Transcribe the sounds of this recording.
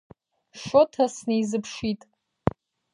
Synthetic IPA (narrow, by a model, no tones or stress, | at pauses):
ʂotʰasnejzɨpʰʂitʼ